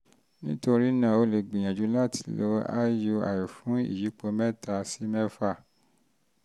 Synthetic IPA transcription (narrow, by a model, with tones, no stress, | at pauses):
nĩ˦to˧ɾi˦nã˦˨o˧le˨ɡ͡bĩ˨j̃ã˨d͡ʒu˨˦la˦ti̥˧˦lo˧˦a̰˦ju˧a̰˨ji˨fũ˨˦ḭ˦˨ji˨˦k͡po˧˦mɛ˦ta˧si˨˦mɛ˦fa˦˨